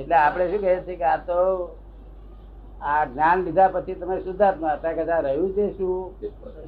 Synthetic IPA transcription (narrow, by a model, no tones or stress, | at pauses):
eʈleapɽ̃eʃũkəɦet͡ʃʰekeat̪o | aɡnanlid̪ʱapət͡ʃʰit̪əmesud̪ʱat̪nũat̪akəd͡ʒ̪ãɾəɦjũt͡ʃʰeʃũ